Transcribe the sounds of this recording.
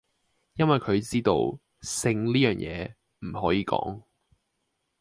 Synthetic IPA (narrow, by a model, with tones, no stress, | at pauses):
jɐ˥nwɐ˨jkʰɵ˨˧ɥt͡siː˥t̪o̰˧w | sɪ˧ŋliː˥jœː˨˩ŋjʔɛ̰ː˨˧ | m̩˨˩hɔː˨˥jiː˨˧kɔ̰ː˨˥ŋ